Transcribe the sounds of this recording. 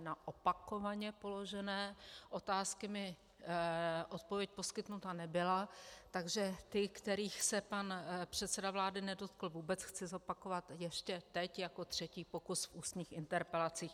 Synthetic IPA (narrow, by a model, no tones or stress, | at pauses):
naʔopako̞vaɲɛpo̞lo̞ʒɛnɛːʔo̞t̪aːskɪmɪ | ʔo̞t̪̚po̞vjɛc̚po̞skɪt̪nut̪anɛbɪlat̪aɡʒɛt̪ɪkt̪ɛɾiːxsɛpanpr̝̥ɛt̪sɛdavlaːdɪnɛdo̞t̪kl̩vuːbɛt͡sxt͡sɪzo̞pako̞vat̪jɛʃcɛt̪ɛcjako̞t̪r̝̥ɛciːpo̞kusfuːst̪ɲiːxʔɪnt̪ɛɾpɛlat͡siːx